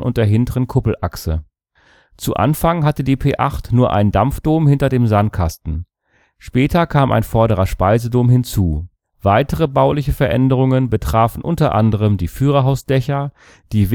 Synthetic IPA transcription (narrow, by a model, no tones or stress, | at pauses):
ʔʊ̰nt̚d̥eːɐɦɪntəʁənkʰʊpl̩ʔa̰ksə | t͡suʔa̰nfaŋɦatədiːpʰeːʔaχtnuːɐʔa̰ɪndamfd̥oːmhɪntɐdeːmzant̚kʰastn̩ | ʃpɛːtʰɐkʰaːmʔa̰ɪnfɔɐɾəʁɐʃpaɪzədoːmɦɪnt͡suː | v̥aɪtəʁəbaʊlɪçəfɛɐʔɛndəʁ̞ʊŋənbətʁ̥aːfn̩ʔʊntɐʔa̰ndəʁ̞əmdiːfyːʁɐɦaʊsd̥ɛçɐ | d̥iːv